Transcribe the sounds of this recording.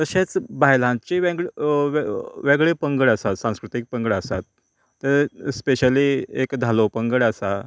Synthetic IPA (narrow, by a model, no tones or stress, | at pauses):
t̪əɕẽt͡sbajlãt͡ɕiʋẽɡɭʋʋeɡɭepəŋɡəɽəsat̪sãw̃skɾut̪ik̚pəŋɡəɭəsat̪̚ː | əɾspeɕəliekd̪ʱalopəŋɡəɽəsa